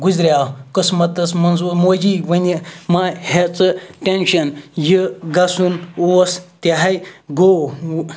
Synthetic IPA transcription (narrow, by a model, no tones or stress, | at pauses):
ɡuzɾʲjakɨsmɐt̪ɐsmɐnzumoːd͡ʒiʋɐnʲimahet͡sɨʈʲenʃɐnjiɡasunɐst̪ʲaɦɐjɡo